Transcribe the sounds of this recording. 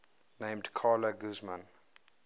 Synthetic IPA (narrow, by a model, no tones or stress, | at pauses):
nẽɪ̃mdkʰaːləɡuzmə̃n